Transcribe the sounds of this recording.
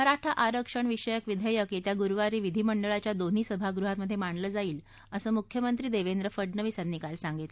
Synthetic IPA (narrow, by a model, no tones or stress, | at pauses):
əɾaʈʰaʔaɾəkʂəɳʋiʂəjəkʋid̪ʱəjəkit̪jaɡuɾʋaɾiːʋid̪ʱiːməɳɖəɭat͡ɕjad̪on̤iːsəbʱaɡɾuɦat̪məd̪ʱjemaɳləːd͡zaiːl | əsəːmukʰjəmənt̪ɾiːd̪eʋend̪ɾəfəɖɳəʋisanniːkalsaŋɡit̪